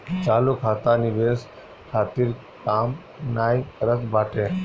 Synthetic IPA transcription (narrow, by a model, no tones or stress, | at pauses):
t͡ʃaːlukʰaːt̪anɪʋeːs | kʰaːt̪iɾ | kaːm | naːikəɾət̪baːʈeː